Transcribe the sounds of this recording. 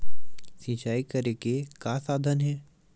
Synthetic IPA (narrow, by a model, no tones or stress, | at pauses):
sĩːt͡ʃaːikəɾekekaːsaːd̪ʱənɦɛː